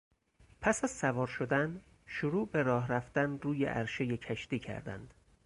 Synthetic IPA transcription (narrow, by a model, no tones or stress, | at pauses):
pʰæsæzsævɒːɾʃod̪æn | ʃoɾuːbe̞ɾɒːɦɾæft̪ænruːjḛʔæɾʃejecʰæʃt̪iːcʰæ̰ɾd̪æ̰nd̪̥